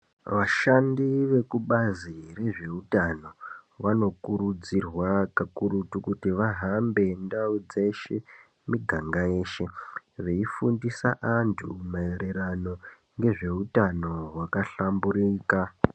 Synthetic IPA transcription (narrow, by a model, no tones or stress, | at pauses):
ʋaʃandiʋe̞kuɓazire̞ʐe̞utano̞ʋano̞kuɾud͡zirwakakuɾutukutiʋaɦambe̞ndaud͡ze̞ʃe̞ | miɡʱaŋɡaje̞ːʃe̞ʋe̞ifundisa̰ʔantʰṵmaeɾe̞ɾano̞ | ŋɡe̞ʐe̞utano̞wakaɬambuɾiːka